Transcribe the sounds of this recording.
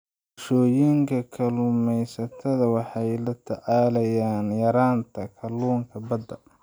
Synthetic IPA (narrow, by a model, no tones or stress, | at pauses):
ʊʃɔːjɪŋkʰɐkʰɐlʊmɛjsɐt̪ʰɐðɐwɑħɑjlɐt̪ʰɐʕɑːlɐjaːnjɐɾaːnt̪ʰɐkʰɐluːŋkʰɐbɐd̪ːɐ